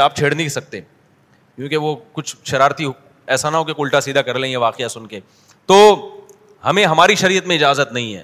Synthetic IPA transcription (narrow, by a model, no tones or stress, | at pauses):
aːp̚t͡ʃʰeːɽnisɐk̚t̪eː | kjũːkeʋokʊt͡ʃʰʃɐɾaːɾt̪i | ɛːsaːnaɦõkekʊlʈasiːd̪ʱakɐɾlẽːɦeʋaːqejasʊnke | t̪oː | hɐmẽɦɐmaːɾiʃɐɾijət̪mẽɪd͡ʒaːzət̪nɐɦĩɦɛ̰ː